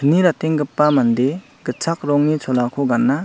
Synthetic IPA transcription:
ɯniɾateŋɡɯpːamand̪e | ɡɯt͡sʰak̚ɾɔŋnit͡ʃʰɔlakʰoɡanːa

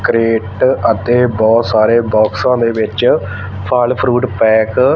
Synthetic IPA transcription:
kɾeːʈət̪eːbɔːt̪saːɾeːbɔːksãːnd̪eːʋɪt͡ʃ | pʰaːlpʰɾuːʈpɛːk

